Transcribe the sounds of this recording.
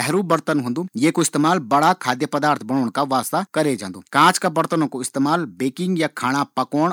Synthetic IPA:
ɛɦɾũbɐɾt̪ənɦõːnd̪uːjeːkoɪst̪eːmaːlbɐɽakʰaːd̪jəpɐd̪aːɾt̪ʰbɐɽ̃oːɽ̃kaʋaːst̪akɐɾed͡ʒãːnd̪uːkãːt͡ʃkabɐɾt̪ənõkoɪst̪eːmaːlbeːkɪ̃ŋɡjakʰaːɽ̃apɐkoːɳ̃

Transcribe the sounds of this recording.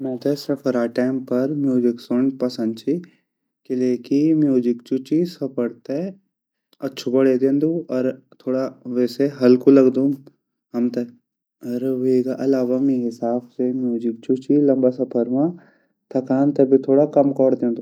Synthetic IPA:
mɛ̃ːt̪ɛsɐpʰɐɾaːʈaːɪmpɐɾmjuːd͡ʒɪksoɳɖpɐsə̃nd̪t͡ʃʰi | kɪleːkimjuːd͡ʒɪkt͡ʃut͡ʃisɐpʰəɽt̪e | ɐtːʃʰubɐɽed̪ẽːnd̪ũɔɾ | t̪ʰoːɽaʋɛːseɦɐlkulɐɡd̪ũːm | ɦɐmt̪ɛ | ɔɾʋeːɡaʔɐlaːʋamĩɦɪsaːbsemjuːd͡ʒɪk̚t͡ʃut͡ʃilɐmbasɐpʰəɾmã | t̪ʰɐkaːnt̪ɐbʱit̪ʰoːɽakɐmkɔːɽd̪ẽːnd̪ũ

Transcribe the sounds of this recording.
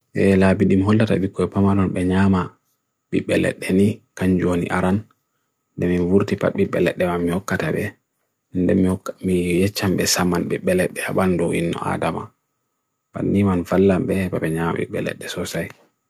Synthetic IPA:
ʔɛlabiɗimihɔlːata̰ɓikːɔɛpamanɔnɓɛɲaːma | ɓiɓːɛlɛ̰ɗːɛnikaɲd͡ʒonḭʔaɾan | ndɛminvuɾtipaɓiɓːɛlɛɗːɛmamːihɔkːatabɛ | ndɛmimijɛt͡ʃːamɓɛsamːanɓɛɓːɛlɛɗːɛhaɓandɔwḭnːɔ̰a̰dama̰ | ba̰nimanvalːamɓɛpaɓɛɲama̰ɓḭɓːɛlɛ̰ɗːɛsɔsaj

